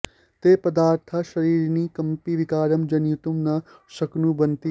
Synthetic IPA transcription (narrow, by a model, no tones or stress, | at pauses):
t̪eːpɐd̪aːɾt̪ʰɐʃɐɾiːɾniːkɐmpiʋɪkaːɾɐmd͡ʒɐnjut̪umnɐsɐknũbɐnt̪i